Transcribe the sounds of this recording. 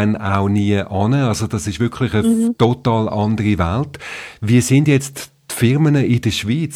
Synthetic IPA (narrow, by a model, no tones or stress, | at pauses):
na̰ʊniəʔɑnəɑlsod̥ɑsɪʃʋʏɐkʰlɪχətotɑːlɑndəʁiʋa̰ltviɐsɪndjɛt͡st | tfɪʁmənəʔɪd̥əʃʋiːt͡s